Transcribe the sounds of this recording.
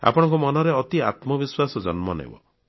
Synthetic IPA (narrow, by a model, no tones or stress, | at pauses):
a̰pɔɽ̃ɔŋkumɔnɔɾeɔt̪ia̰t̪mɔbiswasɔd͡ʒɔnmɔnḛbɔ̰